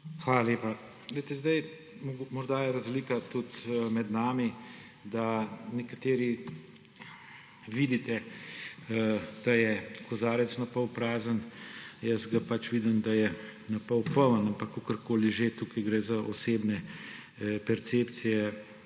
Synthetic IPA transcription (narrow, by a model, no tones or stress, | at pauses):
xʋaːlaleːpa | ɡlɛɪjt̪ɛzd̪ɐj | mmɔɾd̪ajɛɾɐzliːkat̪ut̪mɛd̪naːmi | d̪anɛkat̪eːɾi | ʋid̪it̪ɛ | d̪̥ajɛkɔzaːɾɛt̪snɐpəwpɾaːzənjəsɡapat͡ʃʋid̪imd̪ajɛnɐpəwpəʋənampakːokəɾkoːliʒet̪ukɐjɡɾezaʔɔseːbnɛ | pɛɾt̪seːpt̪sijɛ